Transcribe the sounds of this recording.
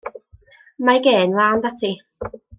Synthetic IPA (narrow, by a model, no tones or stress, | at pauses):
majɡeːnlˠand̪atʰi